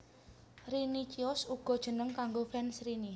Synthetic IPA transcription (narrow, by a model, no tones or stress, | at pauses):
rinit͡ʃiʊsuɡ̥ɔ̤d̥ʒ̥ə̤nəŋkaŋɡofɛnsɾini